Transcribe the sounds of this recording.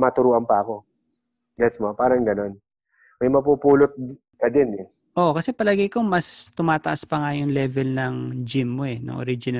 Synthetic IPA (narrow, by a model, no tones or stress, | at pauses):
mɐt̪ʊɾuːʔɐmpɐɐko̞ | ɡɛsmopaːɾɐŋɡɐno̞n | mɐjmɐpupuːlot̪̚ | kɐd̪ɛnɛ | ʔo̞ʔkɐsɛpɐlaːɡɐjkomɐst̪ʊmaːt̪ɐʔaspɐŋajʊŋlɛvɛlnɐŋd͡ʒɪmːoɛnɐ̰ŋʔo̰ɾid͡ʒɪnɐ